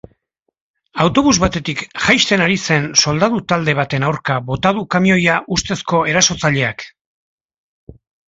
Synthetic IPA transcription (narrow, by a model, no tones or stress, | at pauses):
awt̪o̞βuzβat̪e̞t̪ikʝajst̪e̞naɾise̞nso̞ld̪aðut̪ald̪e̞β̞at̪e̞nawɾkaβo̞t̪að̞ukamio̞jaʔust̪e̞sko̞e̞ɾaso̞t͡saʎe̞ak